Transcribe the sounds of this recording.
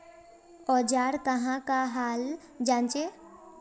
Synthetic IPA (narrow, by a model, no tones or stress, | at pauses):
ɔːd͡ʒaːɾk̪əɦãkaɦaːl | d͡ʒãːnt͡ʃe